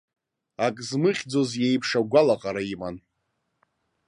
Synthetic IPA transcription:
akʼzmɨχʲd͡zo̞zjejpʰʂaɡʷalaqʼaɾaiman

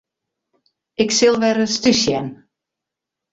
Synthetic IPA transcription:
ɪksɪlˠʋɛɾəstysjɛn

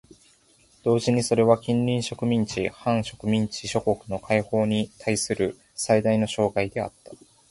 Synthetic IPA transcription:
d̪̥o̞ːʑiɲ̟iso̞ɾe̞βakʲĩnɾʲĩɰ̃ɕo̞kɯ̟mʲĩɲt͡ɕḭhãɰ̃ɕo̞kɯ̟mʲĩɲ̟t͡ɕiɕo̞ko̞kɯ̟no̞kʰaiho̞ːɲ̟it̪ʰaisɨɾɯ̟ | said̪aino̞ɕo̞ːɡaid̪e̞a̰t̪ːḁ

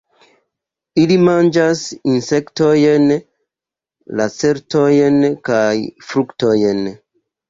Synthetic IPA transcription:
ilimand͡ʒasinsektojen | lat͡seɾtojenkajfɾuktojen

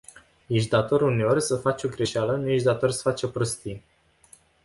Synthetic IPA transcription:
jeʃd̪at̪o̞ɾʲune̞o̞rʲsəfat͡ʃʲo̞ɡɾe̞ʃalənujeʃʲd̪at̪o̞rʲsə̥fat͡ʃo̞pɾost̪i

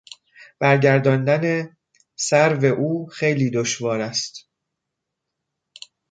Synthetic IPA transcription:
b̥æɾɟæɾd̪ɒːnd̪æne̞ | sæɾve̞ʔuːxe̞jliːd̪oʃvɒːɾæst̪

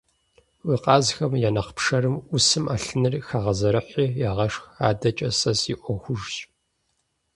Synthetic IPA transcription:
wiqɑːzxɐmjaːnɐqpʂɐɾɨmʊsɨmaɬɨnɨrxaːʁɐzɐɾɨħʷiːjaːʁɐʂxaːdɐt͡ʃʼɐsɐsiʔʷɔxʷʊʒɕʼ

